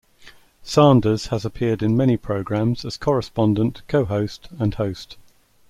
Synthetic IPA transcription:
sɑ̃ːndəz̥əzəpʰɪədɪ̃nmɛñipʰɹ̥əʊɡɹãmz̥əz̥kʰɒɹɪspɒ̃ndə̃nʔkʰəʊɦəʊstə̃nhəʊst

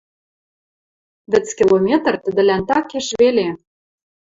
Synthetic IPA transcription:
βɘ̆t͡skʲilˠomʲet̪rt̪ə̆d̪ɘ̆lænt̪ɑkeʃβele

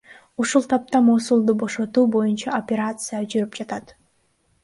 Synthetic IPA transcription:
uʃulˠt̪ʰɑp̚t̪ɑmoːsulˠd̪ubo̞ʃo̞t̪uːbo̞junt͡ʃɑopʲeɾat̪sɨjad͡ʒyɾypd͡ʒɑt̪ɑt̪

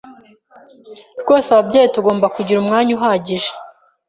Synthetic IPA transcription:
ɾɡo̞ːsaβabɟeːjetuɡo̞ːmbakuɟiɾumŋaːɲuɦaɟiʒe̥

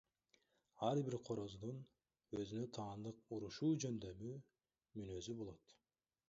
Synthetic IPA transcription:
ɑɾbiɾqʰo̞ɾo̞zd̪un | ø̞zynøt̪ʰɑːnd̪ɯq̚uɾuʃuːd͡ʒø̞nd̪ø̞myː | mynø̞zybo̞lˠo̞t̪

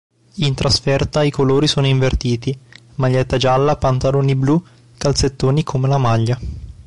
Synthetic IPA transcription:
int̪ɾasfɛrt̪aikoloːɾisoːnoiɱvert̪iːt̪i | maʎːɛt̪ːad͡ʒalːapant̪aloːniblu | kalt̪set̪ːoːnikʰomelamaʎːa

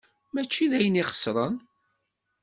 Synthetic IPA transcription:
mæt͡ʃːiðæjəniχə̥sɾˤən

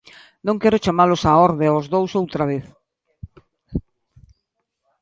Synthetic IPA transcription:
nõŋkɛɾʊt͡ʃamalʊsaɔɾðeozðowsowt̪ɾaβ̞eθ

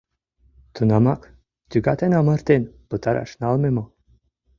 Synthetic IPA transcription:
t̪ʰunɑmɑk | t̪ʲyɡɑt̪enɑmɤɾt̪enpɤt̪ɑɾɑ̰ʃnɑlmemŏ

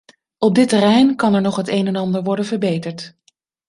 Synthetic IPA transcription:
ɔb̚dɪtərɛjnkɑnɛɹnɔχɦətejnɛnɑndəɹʋɔɹdənvəɹbejtəɹt

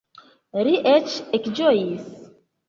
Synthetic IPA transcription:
ɾiʔet͡ʃekd͡ʒojis

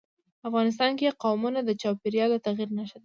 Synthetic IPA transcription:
afɣɑnɪs̬t̪ɑnkeqɑwmunad̪ət͡ʃɑwpeɾjɑlot̪aɣiɾnaʃəd̪a

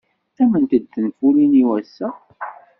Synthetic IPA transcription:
æmənt̪əd̪ːənfuliniwæsːæ

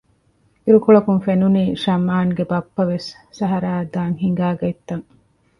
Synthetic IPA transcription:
iɾukuɭɐkuŋfenuniːʃɐmːaːŋɡebɐpːɐʋesː | ɐɦɐɾaːd̪aːŋɦiŋɡaːɡɐit̪ːɐŋ

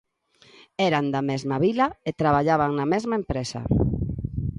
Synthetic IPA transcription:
eɾand̪amezmaβilaet̪ɾaβ̞aʎaβaŋnamezmaempɾesɐ̰

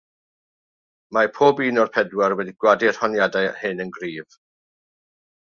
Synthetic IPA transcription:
mapʰoːbiːnɔrpʰɛdwarwɛdiɡ̥wadir̥hɔnjadahɨnənɡriːv

